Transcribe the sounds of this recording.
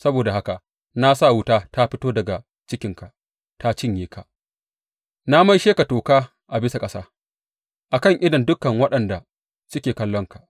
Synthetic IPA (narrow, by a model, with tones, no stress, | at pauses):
sɐ˦boː˨da˨ha˦ka˨ʔ | na˦sa˦˨wʊ˦taː˦ta˦ɸɪ˦toː˦dɐ˨ɡa˨ | t͡ʃɪ˦kʲɪ˨ŋka˨ʔ | ta˦t͡ʃɪ˦˨ɲjeː˦ka˨ʔ | na˦ma˦jʃeː˦ka˨toː˨kaː˦ | ʔa˨bɪ˦sa˨kʼɐ˦saː˦ | ʔa˨kɐ˦˨ŋʔɪ˦dɔ˨ndʊ˦kːɐ˨ŋwɐ˦ɗɐ˨nda˨ | sʊ˦kʲeː˨kɐ˦lːɔ˦ŋka˨ʔ